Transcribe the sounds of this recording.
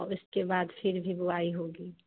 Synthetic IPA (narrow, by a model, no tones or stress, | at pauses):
ɔʊskebaːd̪fɪɾbʱibʊaːiɦoːɡiː